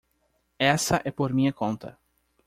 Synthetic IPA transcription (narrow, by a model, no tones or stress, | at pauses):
ɛsɐʔɛpoɾmĩɲɐkõnt̪ʰɐ